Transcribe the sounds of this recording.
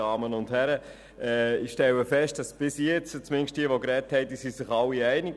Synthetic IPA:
ɑːmənʊndhæɾə | ɛːɪʃtɛwəfɛʃt̚d̥ɑsb̥ɪsjɛt͡st͡smɪnʃt̚d̥iəʋokɾɛthɛɪdisisɪχɑlːiæɪnɪɡ

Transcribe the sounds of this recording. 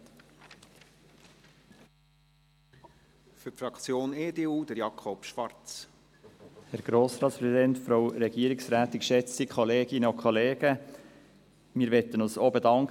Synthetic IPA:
fytfɾɑkt͡sjoːneːdeːuːd̥əɾjɑkʰɔpʃʋɑɾt͡s | hæɾɡ̥ɾoːsɾɑːtspɾɛsidɛntfɾowɾɛɡ̥iəɾɪksɾæːt̪ɪkʃɛt͡sikʰɔleːɡ̥ɪnəokʰχɔleːɡ̥ə | miːɾʋɛt̪ːənʊsoːbedɑŋk

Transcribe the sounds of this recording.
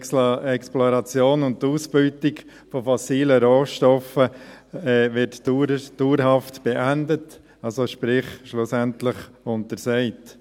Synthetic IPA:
ɛksploɾɑt͡sjoːnʊnttːuːsb̥yːtɪɡ | fofɔsiːləɾoːʃtɔfəɛːʋɪɾtːd̥uːɾɦɑftb̥ɛʔændət | ɑlsoʃpɾɪχʃlʊsæntləχ | ʊntəɾsɛɪt

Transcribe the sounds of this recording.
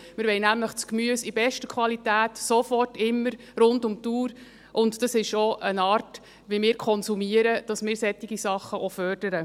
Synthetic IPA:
mɪɾʋɛɪjnæmləχt͡skmyəsibɛʃtəkʰʋɑlitæːtsɔfɔrtɪmːəɾ | ɾʊndʊmtuːɾ | ʔʊntd̥ɑsɪʃoʔənɑːrt | ʋimɪːɾkʰɔnsumiəɾəd̥ɑsmɪːɾsɛtːiɡisɑχːəʔofœrd̥əɾə

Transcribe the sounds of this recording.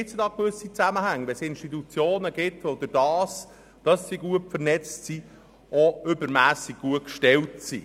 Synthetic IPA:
ɪt͡sədɑːkʋʏsit͡sæməhæŋːʋɛsɪnʃtitut͡sjoːnəɡ̥ɪtod̥̪ədɑːs | d̥ɑsːiɡuətfəɾnɛt͡ssi | ɔʏbəɾmæːsiɡ̥̚ɡ̥uətkʃtɛltsḭ

